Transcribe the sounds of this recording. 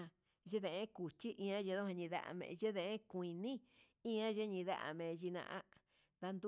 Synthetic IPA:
ʒe˦ðẽ˨ʔẽ˦ku˨t͡ʃi˦ʔĩ˧ã˦ʒe˧ðo˦hã˧ɲĩ˧ða̰˦ʔa̰˧˨mḛ̃˧ʒe˦ðẽ˧ʔẽ˦kʷĩ˧nĩ˦ | ĩ˦ã˦ʒe˦ɲĩ˧ða̰˦ʔa̰˧mẽ˧ʒi˧nã̰˧ʔã̰˦ | ða˧nd̪u˦

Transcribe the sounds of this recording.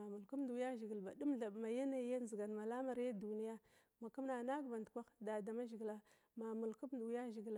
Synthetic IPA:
a˨mu˨lku˦mdu˨˦ja˦ʒi˨ɡi˨lba˨du˦mɮa˨ma˨ja˦na˨˦ja˦n˨zi˨ɡa˨nma˨la˦ma˨ɾja˦du˨ni˦ja˦ | ma˨ku˦m˦na˨na˦ɡba˨ndkʷa˦xda˨da˨ma˦ʒi˨ɡla˦ | ma˨mu˨lku˦bdja˦ʒi˨ɡl

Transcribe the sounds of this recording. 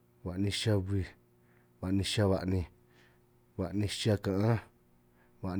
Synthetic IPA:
βa˨ʔnĩ˧ʃa˧βi˧ | βa˨nĩ˧ʃa˧βa˧ʔnĩ˧ | βa˨ʔnĩ˧ʃa˧kã˨ʔã˦ | βa˨ʔ

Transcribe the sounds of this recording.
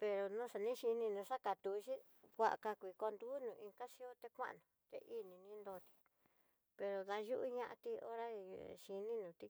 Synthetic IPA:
pe˧ɾo˧nũ˦ʂa˧nĩ˦ʃi˧nĩ˧nũ˧ʂa˦ka˨t̪u˧ʃi˦ | kʷa̰˧ʔa̰˧ka˧kʷi˧˨ko˧nd̪uː˦nũː˧˨˧ĩ˧ka˦ʃi˦o˦t̪e˧kʷã̰˦ʔnũ˨t̪ḛ˧ʔi˦nĩ˧nĩ˧˦nd̪o˧t̪i̥˧ | pe˧ɾo˨ðã˧ʒu˦ʔṵ˦ɲã˦ʔa̰˧t̪i˧o̰˦ɾa̰˦ʃi˧nĩ˦nũː˨t̪i˧

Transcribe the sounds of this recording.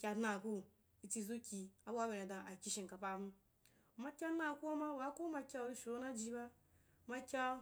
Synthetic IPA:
kʲa˧dna˨ku˦ | i˨t͡si˧zu˦kʲi˧a˦bʷa˦be˨ɾe˨dã˨a˨kʲi˦ʃi˨ŋka˨pa˦b̩˦˨ | ma˦kʲa˦na˦˨ku˦a˦ma˦wa˨˦ku˦ma˧kʲa˦˨ɾi˦ʃo˦na˦d͡ʒi˧˦ba˦˨˦ | ma˧kʲa˦

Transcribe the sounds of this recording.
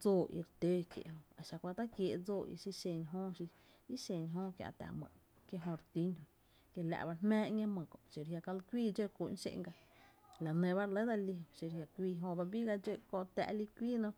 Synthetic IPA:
d͡zoː˦˨ḭ˧ɾt̪eː˦kjḛ˨ʔhõ˧a˨ʃa˧˨kʷa˧t̪a˦kje˨ʔd͡zoː˦˨ʔḭ˧si˧ʃẽ˧˨ɲɦõː˦ʃi˧ | i˦ʃẽ˨ɲɦõː˦kja̰˧˨t̪a̰˨mə̰̃˨ | kje˧ɦõ˧ɾt̪i˦ɲhõ˧ | ke˧la̰˧˨ba˧hmɛ̃ː˦ʔɲẽ˦mə̃˨kõ̰˨ʃi˨ɾhja˧ka˧lkʷiː˦˨d͡ʒe˦kʷu˨ʔn˦ʃḛ˧˨ŋɡa˧la˨nẽ˧βa˦ɾele˦d̪a˧li˧õ˧ʃi˧ɾhja˧kʷiː˦˧ɦõ˧ba˧bi˦ɡa˧d͡ʒe˦kõ˧˨t̪a̰˧ʔli˦kʷiː˦nõ˦

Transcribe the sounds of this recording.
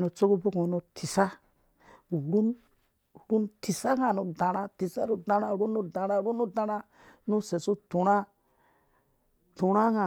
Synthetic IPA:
nu˨t͡so˦ku˦bo˦kõ˨˦no˨tʰi˨sa˦˨ | ɾu˦n | ɾu˦nti˨sa˦ŋa˨nu˨da˨ɾa˦ti˨sa˦ɾu˦da˨ɾa˦˨ɾu˦nːu˦da˨ɾa˦ɾu˦nːu˦da˦ɾa˦ | nu˦se˨su˦tu˨ɾa˦ | tu˨ɾa˦ŋa˨

